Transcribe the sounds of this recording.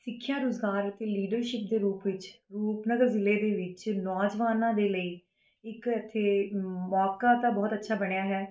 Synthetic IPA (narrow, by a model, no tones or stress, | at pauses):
sɪkʰːjãːɾʊzɡaːɾət̪eːliːɖəɾʃɪp̚d̪eːɾuːpʋɪt͡ʃɾuːpnəɡəɾzɪleːd̪eːʋɪt͡ʃnɔːd͡ʒʋaːnãːd̪eːləiː | ɪkət̪ʰːeːmɔːkaːt̪ãːbɔːt̪ətːʃʰaːbəɽ̃ejaːɦɛː